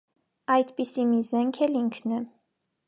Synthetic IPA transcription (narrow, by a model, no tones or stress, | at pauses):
ɑjd̪pisimizɛŋkʰɛliŋkʰnɛ